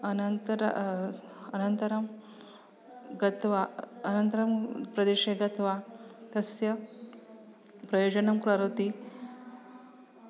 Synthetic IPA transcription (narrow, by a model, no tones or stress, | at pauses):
ɐnɐnt̪ɾ̰ | ɐnɐnt̪ɐɾɐm | ɡɐt̪ʋaɐnɐnt̪ɐɾɐmpɾɐd̪eʃeɡɐt̪ʋat̪ɐsjɐ | pɾɐjoːd͡ʒɐnɐmkuɾaɾot̪i